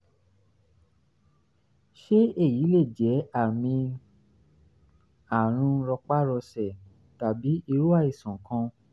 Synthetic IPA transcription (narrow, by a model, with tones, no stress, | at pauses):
ʃe˦e˦˨ji˨˦le˦˨d͡ʒɛ˨˦a˦˨mĩ˧ | a˨ɾ̃ũ˧ɾɔ˧k͡pa˦ɾɔ˧sɛ˨ | ta˨bi˨˦i˧ɾu˦a˦˨i˨sɔ̃˨kã˧